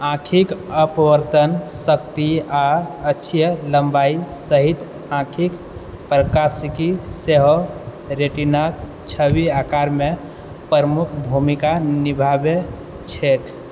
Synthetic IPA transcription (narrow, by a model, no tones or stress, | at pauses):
ãkʰikəpəʋəɾt̪ənsək̚t̪iaətːʃʰijələmbaisəɦit̪ | ãkʰik | pɾəkasikiseɦo | ɾeʈinak | t͡ʃʰəbiakaɾme | pəɾəmukʰbʱumikanibʱabe | t͡ʃʰeʈ̪